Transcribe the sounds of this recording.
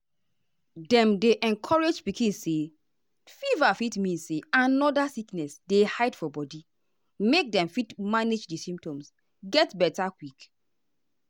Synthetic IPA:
dɛ̃mdeʔɛ̃nkʰɔɹed͡ʒpikĩnse | fivafitmĩnseãnɔdasiknɛsdehaɪdfɔbɔdi | mek̚dɛ̃mfitmaned͡ʒdisĩmp̚tɔ̃ms | ɡɛtbɛtakwik

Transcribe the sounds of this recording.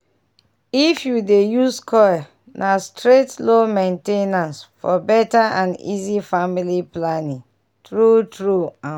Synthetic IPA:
ifjudejuskʰɔa | nʔastɹetlomẽntenãnsfɔbɛtaʔãnḭzifamiliplanĩŋ | tɹutɹuã

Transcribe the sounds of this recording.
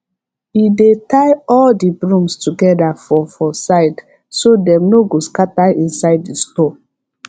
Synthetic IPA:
idetaɪɔldibɹũmstuɡɛdafɔfɔsaɪd | sodɛ̃mnoɡoskataĩnsaɪd̚distɔ

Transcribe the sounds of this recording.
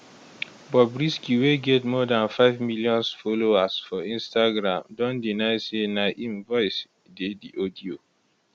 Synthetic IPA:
bɔbɹiskiweɡɛtmɔdãnfaɪvmiljɔ̃nsfoloasfɔĩnstaɡɹãmdɔ̃ndinaɪsenaʔĩmvɔɪs | dediʔodio

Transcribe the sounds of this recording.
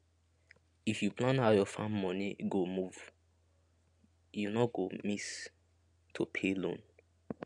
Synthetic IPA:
ifjupʰlãnhaʊjɔfãmmɔniɡomuv̥ | junɔɡomis | tʰopʰelõ̰n

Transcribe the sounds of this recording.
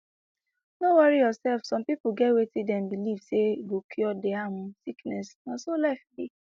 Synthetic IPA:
nowɔɾijɔsɛlfsɔ̃mpipuɡɛwetidɛmbilivseɡokʰiɔdeaɦʊ̃siknɛsnãsolafbi

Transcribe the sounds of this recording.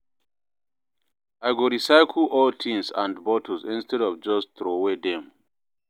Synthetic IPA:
aɪɡoɹisaɪkʰl̩ʔɔltʰĩŋsã̰ndbɔtʰɔsĩnstɛdɔvd͡ʒɔstɹowedɛ̃m

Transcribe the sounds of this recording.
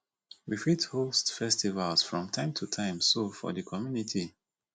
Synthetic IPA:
wifithostfɛstivalsfɹɔ̃mtʰãɪ̃mtʰutʰãɪ̃msofɔ̰ðəkʰɔmjunitʰi

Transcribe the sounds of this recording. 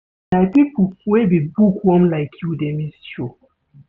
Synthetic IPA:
najpipuwebibukwɔ̃mlaɪkʰjudemist͡ʃo

